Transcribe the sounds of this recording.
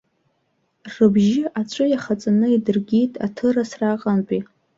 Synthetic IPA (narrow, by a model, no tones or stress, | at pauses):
rɨbʒɪʔat͡ʃʷʼʊjaχat͡sʼanɨidɨrɡʲitʼa̰tʰɨrasraqʼanpʼi